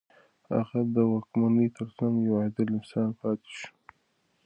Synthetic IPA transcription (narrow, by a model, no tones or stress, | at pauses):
ha̰ɣad̪əwɑkmanəjt̪ʰəɾsamjawad̪ɪlɪnsɑːnpɑt̪ɪ̥ʃu̥